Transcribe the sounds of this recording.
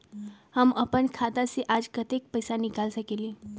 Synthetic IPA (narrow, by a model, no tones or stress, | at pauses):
həməpəɳkʰad̪asiʔad͡ʒkət̪ek̚pəjsanikalsəkeli